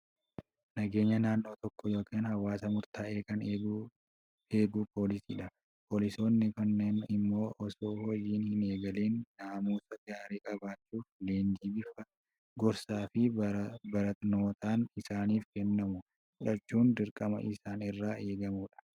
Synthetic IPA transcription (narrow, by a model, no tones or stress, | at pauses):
nɐɡe̞ːɲːɐnaːnːo̞ːt̪ɔkːɔjo̞ːkiːnhɐwːaːsɐmʊɾt̪ʰaːʔe̞ːkɐneɡ | eːɡuːpʰo̞ːlɪsḭːᶑɐ | pʰoːlɪso̞ːnːɪkɐnːeːnɪmːo̞ːʔɔsoːhɔjːiːnhɪne̞ːɡɐleːnːaːmuːsɐɡaːɾiːkʼɐbaːt͡ʃːuːfleːnd͡ʒiːbɪfɐ | ɡɔɾsaːfɪbɐɾɐt̪no̞ːt̪aːnɪsaːniːfkɛnːɐmʊ | ʊᶑɐt͡ʃːuːnd̪ɪɾkʼɐmɐ̰ʔɪsaːnɪrːaːe̞ːɡɐmuːᶑɐ̥